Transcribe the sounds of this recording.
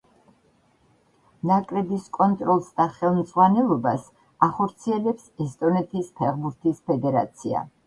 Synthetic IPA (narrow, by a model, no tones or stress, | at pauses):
nakʼɾɛbiskʼɔnt̪ʼɾɔlˠsd̪aχɛlˠmd̪zʁwanɛlˠɔbas | aχɔɾt̪sʰiɛlɛpsɛst̪ʼɔnɛt̪ʰispʰɛʁbuɾt̪ʰispʰɛd̪ɛɾa̰t̪sʰia̰